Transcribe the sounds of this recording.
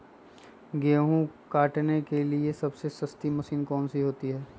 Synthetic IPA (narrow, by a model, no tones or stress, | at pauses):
ɡeːɦũkaːʈnekeliesɐbsesɐst̪imɐsiːnkɔːnsiɦoːt̪iɦɛː